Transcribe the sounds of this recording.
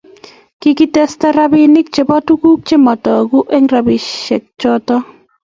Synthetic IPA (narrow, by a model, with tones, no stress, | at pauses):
kiki˦tɛ˦sta˦ɾa˦bɪ˦nɪ˦k̚t͡ʃe˨bɔ˦tu˦ku˦k̚t͡ʃe˦mɔ˨tɔ˨ku˦ʔɛ˦ŋra˨bɪ˨ʃɛ˨k̚t͡ʃɔ˦tɔ˦